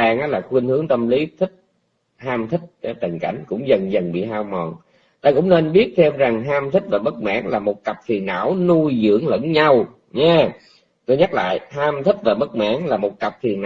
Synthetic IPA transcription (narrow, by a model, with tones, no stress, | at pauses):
aː˧ŋʔɔː˨˦laː˨˩xwi˧nhɨ˨˦əŋt̪ə˧mli˨˦t̪ʰi˦˥k̚ | haː˧mt̪ʰï˦˥k̟̚ːt̪ə˨˩ŋka˧˩jŋ̟kʊ̰˧˥ŋ͡mzə˨˩nzə˨˩nɓḭ˧˨ɦaː˧wmɔ˨˩n | t̪aː˧kʊ̰˧˥wŋ͡mne˧nɓi˦˥ət̚t̪ʰe˧mza˨˩ŋɦaː˧mt̪ʰi˦˥k̟̚vaː˨˩ɓə˦˥k̚ma̰ː˧˥ŋlaː˨˩mo˨˩t̚ka˨˩p̚fʰi˨˩ənːa̰ː˧˥wnu˧jzɨ̰˧˥əŋlə̰˧˥nɲa˧w | ɲaː˨˧ | t̪o˧jɲa˦˥t̚la̰ː˧˨jhaː˧mt̪ʰi˦˥k̟̚vaː˨˩ɓə˦˥k̚ma̰ː˧˥ŋlaː˨˩mo˨˩t̚ka˨˩p̚fʰi˨˩ənːʔ